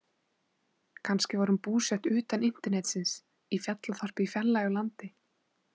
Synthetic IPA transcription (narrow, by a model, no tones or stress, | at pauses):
kʰanscɪvaɾhʏmpuːsɛht̪ʏːt̪anɪn̥t̪ɛɾnɛt̪sɪns | ifjat̪laθɔr̥pɪifjɛlːaœlant̪ɪ